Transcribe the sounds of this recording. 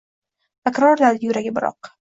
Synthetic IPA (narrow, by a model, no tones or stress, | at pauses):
t̪ʰakʲɾɒɾlaɾd̪jʊɾaɡʲɪbɪɾɒ̰q̚